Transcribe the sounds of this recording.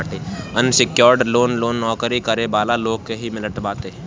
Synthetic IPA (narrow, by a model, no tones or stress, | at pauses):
ʈeːɐnsɪkjoːɾɖloːnloːnːɔːkɾikɐɾebaːlaloːɡ̚keɦimɪləʈbaːt̪e